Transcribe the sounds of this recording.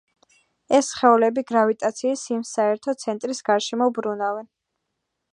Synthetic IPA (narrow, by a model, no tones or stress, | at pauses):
ɛsχɛulɛbiɡɾavit̪ʼat̪sʰiːsimsaɛɾt̪ʰɔt̪sʰɛnt̪ʼɾisɡ̥aɾʃɛmɔubɾunavɛn